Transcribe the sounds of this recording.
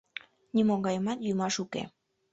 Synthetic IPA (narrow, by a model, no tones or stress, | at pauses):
nʲimoŋɡɑjmɑt̪jymɑʃukḛ